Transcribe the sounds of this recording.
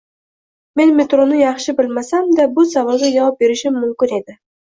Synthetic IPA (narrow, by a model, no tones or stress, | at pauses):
me̞nme̞t̪ɾonɪjɑχʃɪbɪlmasamd̪abʊsavɑlˠɡ̪ʲajɑvɑp̚be̞ɾɪʃɪmːʊmkʲɪne̞d̪ɪ